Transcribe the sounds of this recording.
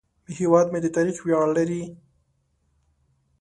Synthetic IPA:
mehewɑd̪med̪ət̪ɑɾiqwjɑllaɾi

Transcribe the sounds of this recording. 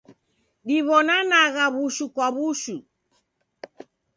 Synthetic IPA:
ɗiβɔnanaɣaβuʃukwaβuʃu

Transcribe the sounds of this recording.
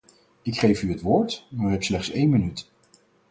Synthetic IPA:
ɪkχejfyətʋʊːɹtmaːɹyɦɛpslɛχtsejnmənyt

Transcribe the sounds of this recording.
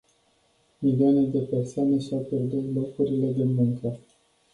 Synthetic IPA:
milioane̞d̪e̞pe̞rsoane̞ʃawpje̞rd̪ut̪lo̞kuɾile̞d̪e̞muŋkə

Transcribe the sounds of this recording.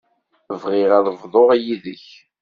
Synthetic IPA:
əvʁɪʁæðvðˤoʁæjiðəç

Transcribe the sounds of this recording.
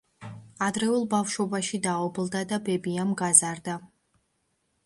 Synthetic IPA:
ad̪ɾɛulˠbafʃɔbaʃid̪aɔblˠd̪ad̪abɛbiamɡazaɾd̪a

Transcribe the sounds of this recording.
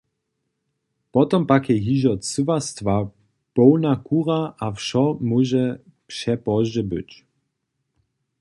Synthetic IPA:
pɔt̪ɔmpakɛɦiʑɔt͡sɨvast̪va | pɔwnakʰuɾaʔafʃɔmuʒɛ | pʂɛpɔʒɛbɘ̰t͡ɕ

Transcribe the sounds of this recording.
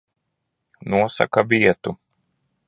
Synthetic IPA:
nuɔsa̰kavʲiɛt̪u

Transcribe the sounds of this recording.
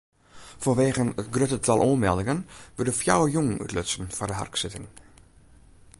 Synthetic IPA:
fɔnʋeːɣənətɡrøtətʰɑlˠʔuənmɛlˠdɪŋənʋødəfja̰wəjuŋy̰tløtsən̩fɔrdəɦa̰rksɪtɪŋ

